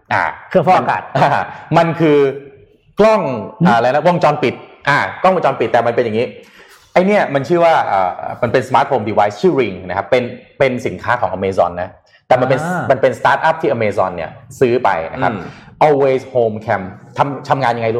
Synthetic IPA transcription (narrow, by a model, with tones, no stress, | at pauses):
ʔa̰ː˧˩kʰɯ˧˩fɔː˥˩ʔka̰ː˨˩t̪̚ʔaː˧ma˧nkʰɯː˧ | klɔ˥˩ŋʔaː˨˩la˧n˦˥wo˧ŋt͡ɕɔː˧npi˨˩t̪̚ʔaː˧˩klɔ˥˩ŋwŋt͡ɕɔː˧npi˨t̪̚ːɛː˨˩ma˧npe˧nja˨˩ŋiː˦˥ | ʔa˧jni˥˩ɐma˧nt͡ɕʰɯː˥˩waː˥˩ʔaː˨˩ʔːma˧npe˧nsa˧maː˦˥t̪̚hʰoː˧mdiː˧waː˦˥jst͡ɕʰɯː˥˩ɾi˧ŋna˦kʰa˦˥pːe˧npe˧nsi˨˩˦nkʰaː˦˥kʰɔː˩˦ʔaː˧meː˧sɔ̰ː˧nːa˦˥ | t̪ɛː˨˩ma˧npe˧nma˧npe˧nst̪aː˦˥t̪̚ʔa˦˥˩p̚t̪ʰiː˥˩ʔa˧meː˧sɔ̰ː˧nːḭ˦˥˩ɐsɯː˦˥pa̰˧jna̰˦˥kʰa˦˥ʔɔː˧lweː˧shoː˧mkʰɛ˧mt̪ʰa˧mt̪ʰa˧mŋaː˧nja˧ŋa˧jlu˥